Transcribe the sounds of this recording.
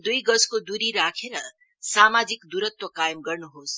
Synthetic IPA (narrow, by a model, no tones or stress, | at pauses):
d̪ujɡʌskod̪uɾiɾakʰeɾʌ | samad͡zikd̪uɾʌt̪wʌkajmɡʌrnuɦos